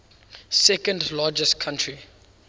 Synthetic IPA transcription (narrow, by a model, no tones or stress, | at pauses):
sɛkə̃ndlaːd͡ʒəstkʰãntʰɹi